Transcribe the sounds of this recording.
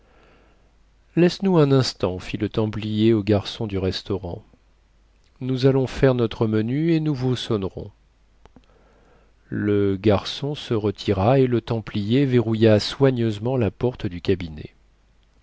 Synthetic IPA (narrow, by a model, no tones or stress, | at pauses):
lɛsnuɛ̃nɛ̃st̪ɑ̃filət̪ɑ̃plijeoɡaʁsɔ̃d̪yʁɛst̪ɔʁɑ̰̃ | nuzalɔ̃fɛʁnɔt̪χəmənyenuvusɔnʁɔ̰̃ | ləɡaʁsɔ̃səʁət̪ʰiʁaelət̪ɑ̃plijeveʁujaswaɲøzmɑ̃lapɔʁt̪d̪ykʲabinḛ